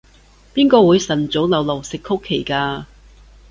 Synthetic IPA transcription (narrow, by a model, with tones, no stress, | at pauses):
piː˥nkɔː˧wuː˨˧jsɐ˨˩nt͡so˨˥wlɐ˨˧wlɐ˨wsɪ˨kʰːʊ˥kʰːe˨˩jkaː˧